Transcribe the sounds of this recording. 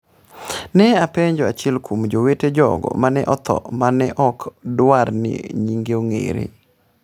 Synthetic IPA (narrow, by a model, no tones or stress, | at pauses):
nɛapeɲd͡ʒɔat͡ʃɪɛlkʰomd͡ʒoweted͡ʒɔ̰ɡɔ̰manɛʔɔt̪ʰɔ̰manɛʔɔkdwaɾnḭɲiŋɡeoŋḛɾḛ